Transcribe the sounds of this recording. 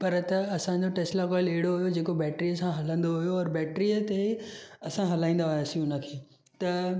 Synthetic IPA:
pɐɾt̪ɐɐsãɲd͡ʑoʈeːslakɔːɪleɦɽoɦujod͡ʑeːkobɛːʈɾijəsãɦɐlə̃nd̪oɦujoɔːɾbɛːʈɾiət̪eɐsãɦɐlãːĩːnd̪ajasĩʊnə̆kʰeː | t̪ɐ

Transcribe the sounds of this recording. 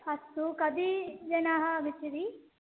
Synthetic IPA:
ɐst̪ukɐd̪id͡ʒɐnaːɦɐɐbʱit͡ʃiɾi

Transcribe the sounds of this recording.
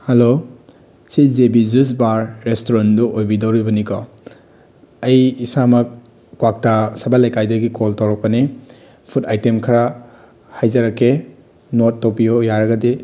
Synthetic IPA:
hɐlo | sizebizus̬baɾːestoɾanduʔojbidowɾibɐnikɔ | ɐjisamɐk̚ | kwak̚tasɐbalɐjkajdɐɡikʰoltɐwɾɐk̚pɐni | pʰutajtemkʰɐɾa | hajzɐɾɐkʰːe | notːopiojaɾɐɡɐdi

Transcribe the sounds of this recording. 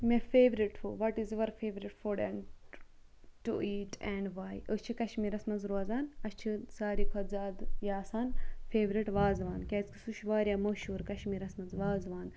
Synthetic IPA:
mefeːʋɾiʈfuʋɐʈizʋɐɾfeːʋɾiʈfoɾɖḛn | ʈṵʔiːʈʰɛɳɖʋaːjəst͡ʃʰikɐʃmiːɾɐsmɐnzɾoːzaːnɐst͡ʃʰisaːɾikʰɐzaːd̪jaːsaːnfeːʋɾiʈʋaːzʋaːnkʲaːt͡ski̥suʃʋaːɾʲjaːmɐːʃuːɾkɐʃmiːɾɐsmɐnzʋaːzʋaːn

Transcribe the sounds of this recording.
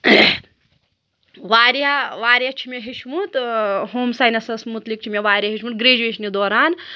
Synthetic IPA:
ʋaːɾjaʋaːɾjɐt͡ʃʰimɐɦiʃmut̪ɦoːmsajnɐsɐsmut̪lik̚t͡ʃʰimjɐʋaːɾʲjɐɦiʃmut̪̚ɡɾeːd͡ʒʋeʃnid̪ɔːɾaːn

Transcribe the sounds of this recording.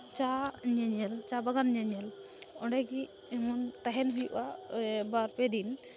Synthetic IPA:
t͡ʃaɲɛɲɛlt͡ʃabaɡanɲaɲɛlɔɖɛɡi | ɛmɔnt̪aɦɛnɦujṵʔabaɾpɛd̪in

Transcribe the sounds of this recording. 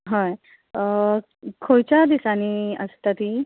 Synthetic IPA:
ɦaj | kʰojt͡ɕad̪isaniəst̪at̪i

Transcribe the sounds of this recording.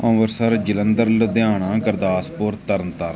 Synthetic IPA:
õʋəɾsəɾd͡ʒɪlənd̪əɾləd̪ɪjãːɳãːkəɾd̪aːspoːɾt̪ːəɾənt̪əɾ

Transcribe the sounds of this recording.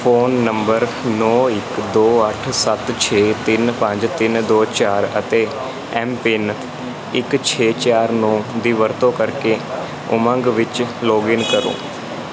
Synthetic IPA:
pʰoːnːəmbəɾnɔːɪkd̪oːəʈʰsət̪t͡ʃʰeːt̪ɪnpəɲd͡ʒt̪ɪnd̪oːt͡ʃaːɾə̰t̪eː | ɛːmpɪn | ɪkt͡ʃʰeːt͡ʃaːɾnɔ̃ːd̪iːʋəɾt̪õːkəɾkeː | ʊ̰mə̃ŋɡʋɪt͡ʃloːɡɪnkəɾo̰ː

